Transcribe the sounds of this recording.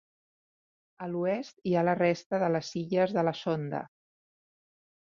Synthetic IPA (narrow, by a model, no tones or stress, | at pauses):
əluɛst̪ialərɛst̪əðələziʎəzðələsond̪ə̰